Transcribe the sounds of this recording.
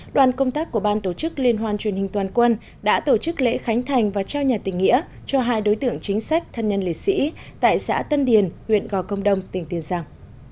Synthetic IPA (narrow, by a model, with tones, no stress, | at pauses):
ɗwaː˨˩nkə˧wŋ͡mt̪aː˦˥k̚ːu˧˩əɓaː˧nt̪o˧˩t͡ɕɨ˦˥k̚li˧ənɦwaː˧˩nt͡ɕwi˨˩ənhï˨˩ŋt̪waː˨˩nkwə˧n | ɗa̰ː˧˥t̪o˧˩t͡ɕɨ˦˥k̚lḛ˧˥xa˨˦jŋ̟t̪ʰa˨˩jŋ̟vaː˨˩t͡ɕɛ˧wɲaː˨˩t̪ï˨˩ŋ̟ːḭ˧˥ə | t͡ɕɔ˧ɦaː˧jɗo˨˦jt̪ɨ̰˧˨əŋt͡ɕï˨˦ŋ̟sa˦˥jk̟̚t̪ʰə˨˩nɲə˧nlḭ˧˨˩sḭ˧˥t̪a̰ː˧˨jsa̰ː˧˥t̪ə˧nɗi˨˩ənhwḭ˧˨ənɣɔ˨˩kə˧wŋ͡mɗə˧wŋ͡mt̪ï˨˩ŋ̟t̪i˨˩ənzaː˧ŋ